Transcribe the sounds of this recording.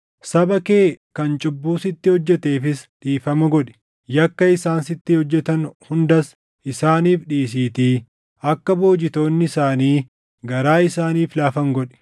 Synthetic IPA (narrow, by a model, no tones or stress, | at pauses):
sɐbɐke̞ːkɐnt͡ʃʼʊbːuːsɪt̪ːɪhɔd͡ʒːɛt̪e̞ːfɪsᶑiːfɐmɐɡɔᶑɛ̥ | jɐkːɐɪsaːnsɪt̪ːɪhɔd͡ʒːɛt̪ɐnhʊnd̪ɐs | ʔɪsaːniːfᶑiːs̬iːt̪iː | ʔɐkːɐbo̞ːd͡ʒɪt̪o̞ːnːɪɪsaːniː | ɡɐɾaːɪsaːniːflaːfɐŋɡɔᶑɛ̥